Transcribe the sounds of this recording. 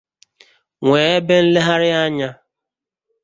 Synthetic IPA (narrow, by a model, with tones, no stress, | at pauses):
ŋʷe˨e˦be˦n̩˦le˦ɦa˦ɾɪ˦a˦ɲa˦